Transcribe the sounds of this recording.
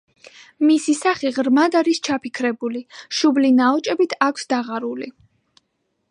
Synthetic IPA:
misisaχiʁɾmad̪aɾist͡ʃʰapʰikʰɾɛbuliʃublinaɔt͡ʃʼɛbit̪ʰakʰsd̪aʁaɾuli

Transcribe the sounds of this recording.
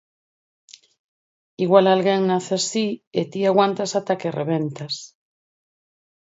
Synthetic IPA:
iɣwalalɣeŋnaθeasiet̪iaɣwant̪asat̪akereβ̞ent̪as

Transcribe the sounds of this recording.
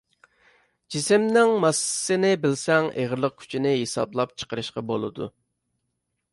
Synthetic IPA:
d͡ʒisɪmnɪŋmɑsːɨnɪbɪlsɛŋʔḛʁɾlˠəq̚kʲʰy̥t͡ʃʰinɪɦesɑ̰blˠɑp̚t͡ʃʰə̥qəɾɨʃqɑbolˠɨ̰d̪ṵ

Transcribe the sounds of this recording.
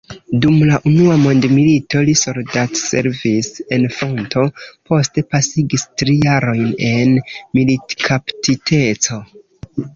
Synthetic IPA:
dumlaʔunuamo̞ndmilito̞liso̞ldatse̞̰ɾvise̞nfɾo̞ntʰo̞pʰo̞ste̞pasiɡistɾijaɾo̞jne̞nmilitkʰaptitʰe̞t͡so̞

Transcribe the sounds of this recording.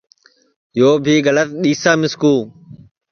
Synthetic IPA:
joːbʱiːɣələt̪̚ɗiːsãːmɪskuː

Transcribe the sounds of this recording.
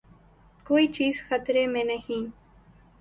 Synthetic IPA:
koːiːt͡ʃiːzxət̪ɾemẽnɐɦĩː

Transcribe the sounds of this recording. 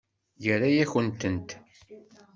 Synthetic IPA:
jəɾajæçənt̪ənt̪

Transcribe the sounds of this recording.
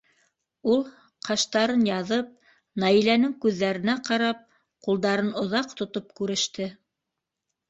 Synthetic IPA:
ulˠ | qɑʃt̪ɑɾɤnjɑðɤp̚ | nɑilænɘŋkʉðːæɾɘ̆næqɑɾɑp̚ | qulˠd̪ɑɾɤnŏðɑqt̪ŏt̪op̚kʉɾɘ̆ʃt̪ɘ

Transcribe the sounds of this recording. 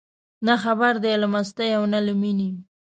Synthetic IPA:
naxabaɾd̪ealamast̪ajawnalʊmini

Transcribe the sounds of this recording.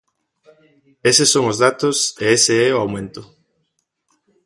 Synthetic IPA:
esesoŋozðat̪ʊseeseɛʊawmẽnt̪ʊ

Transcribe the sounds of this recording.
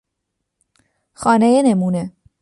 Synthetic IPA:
xɒːnejenemuːne

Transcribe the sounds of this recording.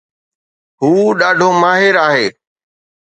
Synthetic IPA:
ɦuːɗaːɖʱoːmaːɦɪɾaːɦeː

